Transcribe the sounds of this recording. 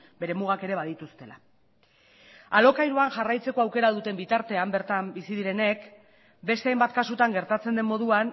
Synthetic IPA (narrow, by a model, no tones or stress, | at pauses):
be̞ɾe̞muɣ̞ake̞ɾe̞β̞aðit̪ust̪e̞la̰ | alo̞kajɾuanʝarajt͡se̞ko̞awke̞ɾaðut̪e̞mbit̪aɾt̪e̞ambe̞ɾt̪ambisiðiɾe̞ne̞k | be̞st̪eajmbat̪kasut̪aŋɡe̞ɾt̪at͡se̞nd̪e̞mːo̞ðuan